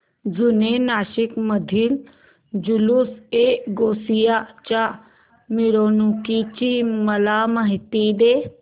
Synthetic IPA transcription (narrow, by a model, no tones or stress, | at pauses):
zʊnenaːʃɪkmɐd̪ʱil | d͡ʒuluseːɡoːsijat͡ʃa | miɾoːnũkit͡ʃiːmɐlaːməɦit̪id̪eː